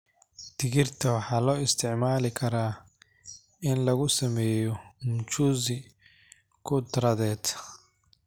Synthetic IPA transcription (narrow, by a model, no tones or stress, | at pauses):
d̪̥ɪɣɪrt̪ʰɐwɑħɑːlɔːɪst̪ʰɪʕmaːlɪkʰɐɾaː | ʔɪnlɐɣʊsɐmɛːjɔmʊt͡ʃuːzɪ | kʰʊt̪ɾɐðɛːt̪